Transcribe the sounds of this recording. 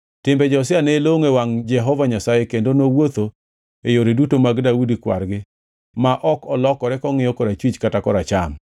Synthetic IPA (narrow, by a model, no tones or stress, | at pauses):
tɪmbɛd͡ʒɔsɪaneloŋewaŋd͡ʒɛɦɔvaɲasajekendonowot̪o | ejoɾedutomaɡdaudikwa̰ɾɡɪ | maʔɔkɔlɔkɔɾɛkɔŋɪjɔkɔɾat͡ʃwit͡ʃkatakɔɾat͡ʃam